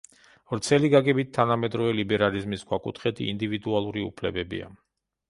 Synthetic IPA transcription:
vɾt̪sʰɛliɡaɡɛbit̪̚ʰːanamɛd̪ɾɔvɛlibɛɾalizmisɡwakʼut̪ʰχɛt̪ʰiːnd̪ivid̪ualˠuɾiṵpʰlɛbɛbḭa̰

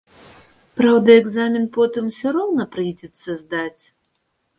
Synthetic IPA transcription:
pɾawd̪ɐɛɡzamʲinpɔt̪ɨmsʲɔɾɔwnɐpɾɨjd͡zʲɛt̪sːɐzd̪at͡sʲ

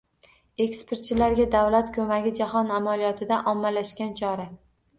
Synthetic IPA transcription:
e̞kspe̞ɾt̪̚t͡ʃʰɪlaɾɡʲad̪awlat̪kʰɵmaɡʲɪd͡ʒahɒnamalijɒt̪ʰɪd̪aʔɒmːalaʃkʲant͡ʃʰɒɾa

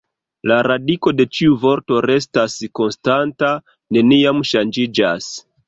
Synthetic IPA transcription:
laɾadiko̞de̞t͡ʃiuvo̞ɾto̞ɾe̞stasko̞nstanta | ne̞niamʃand͡ʒid͡ʒas

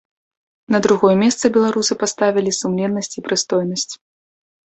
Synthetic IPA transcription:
nɐd̪ɾuɣɔjɛmʲɛst̪sɨbʲɛlˠaɾusɨpast̪avʲilʲisumlʲɛnːɐsʲt͡sʲipɾɨst̪ɔjnɐsʲt͡sʲ

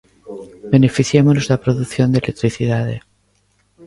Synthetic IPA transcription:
be̞ne̞fiθjemonozðapɾo̞ðuθjo̞nd̪elek̚t̪ɾiθiðaðe̞

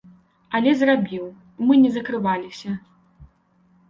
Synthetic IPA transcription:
ɐlʲɛzrabʲiw | mɨnʲɛzɐkɾɨvalʲisʲɐ

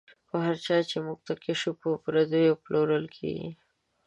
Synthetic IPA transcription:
xoɦaɾt͡ʃɑt͡ʃemuɡ̚t̪akɪʃupopɾad̪ojoploɾəlkʰḛɡḭ

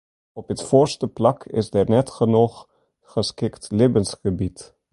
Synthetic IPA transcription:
ɔpətfoːrstəplɑkʰɪ̰sdɛrnɛtχənuχ | χəskɪktleːbənsχəbit

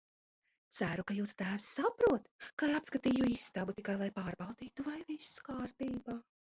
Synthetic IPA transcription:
t̪sæɾukajuːst̪æːsːapɾuɔt̪kaːjapskat̪iːjuist̪abut̪ikajlˠajpaːɾbawd̪iːt̪uvajviskaːɾt̪iːbaː

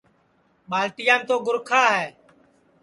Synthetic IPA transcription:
ɓaːlʈɪjãːmt̪oːɡʊɾkʰaːɦɛː

